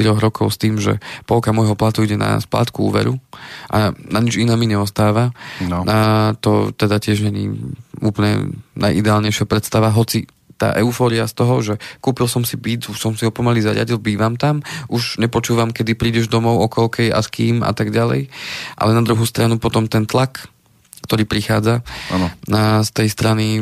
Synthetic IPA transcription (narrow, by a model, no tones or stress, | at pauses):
t̪iɾɔɣɾɔkɔʊst̪iːmʒɛ̰pɔɔkamɔjɦɔplat̪uiɟɛna̰spla̰ːt̪kuṵːʋɛ̰ɾuʔa̰naɲid͡ʒinaːmiɲɛɔst̪aːʋaat̪ɔ̰t̪ɛd̪acɪɛʒɲɛɲḭuːplɲɛ̰nʔa̰jʔḭd̪ɛaːlɲɛɪʃɪapɾɛt̪st̪aʋaɦɔt͡si | t̪a̰ːʔɛʊfɔːɾiast̪ɔɦɔʒɛkuːpilsɔmsibiːd͡zusɔmsiɦɔpɔmalizaɾɪa̰ɟilbiːʋamt̪amʔuʒɲɛpɔt͡ʃuːʋamkɛd̪ipɾiːɟɛʒd̪ɔmɔʊɔkɔlkɛjʔa̰skiːma̰t̪aɡɟalɛ̰jʔa̰lɛnad̪ɾuɦuːst̪ɾanupɔt̪ɔmt̪ɛnt̪lak | kt̪ɔɾiːpɾixaːd͡zaanɔst̪ɛjst̪ɾani